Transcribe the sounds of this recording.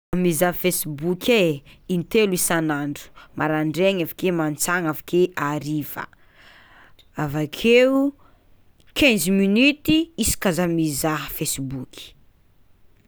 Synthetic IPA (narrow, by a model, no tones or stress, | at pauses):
amizafesibukʲʰeint̪eluisanaɳɖ͡ʐu̥mʔaɾaɳɖ͡ʐeŋafḁkemant͡saŋafḁkeʔaɾivə̰ | avakʰeu | kʰɛ̃nzminyt̪iisi̥kazamizaɦəfesibukʰʲi̥